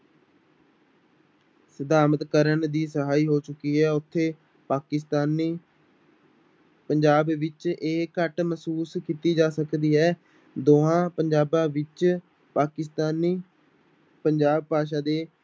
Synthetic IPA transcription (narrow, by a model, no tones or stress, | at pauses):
səd̪aːmət̪kəɾəɳd̪iːsəɦaːiːɦoːt͡ʃʊkiːɦɛːʊt̪ʰːeː | paːkɪst̪aːn | pəɲd͡ʒaːbʋɪt͡ʃeːkəʈməsuːskiːt̪iːd͡ʒaːsəkd̪iːɦɛː | d̪oːãːpəɲd͡ʒaːbãːʋɪt͡ʃ | paːkɪst̪aːniː | pəɲd͡ʒaːb̚paːʃ̬ãːd̪eː